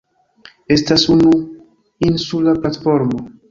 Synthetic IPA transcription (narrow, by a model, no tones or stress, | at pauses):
e̞stasunu | insulaplatfo̞ɾmo̞